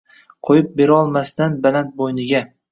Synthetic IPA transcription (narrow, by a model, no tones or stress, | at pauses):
qʰojɪp̚be̞ɾaɒlˠmast̪anbalant̪̚bojnɪɡʲa